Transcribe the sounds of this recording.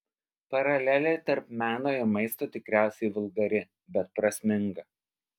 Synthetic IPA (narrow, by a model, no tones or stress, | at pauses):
pɐɾɐlʲæːlʲet̪ɐɾpmʲæːnoːɪɾmɐɪst̪oːt̪ʲɪkɾʲæˑʊsʲɛɪʋʊlˠɡɐɾʲɪ | bʲɛt̪̚pɾɐsʲmʲɪŋɡɐ